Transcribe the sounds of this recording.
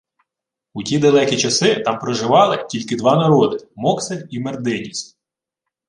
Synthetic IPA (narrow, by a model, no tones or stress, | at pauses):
utʲid̪ɐlˠɛkʲit͡ʃɐsɪt̪ɑmpɾɔʒɪʋɑlˠɪtʲilʲkɪd̪ʋɑnɐɾɔd̪ɪmɔkseimerd̪ɪnʲisʲtʲ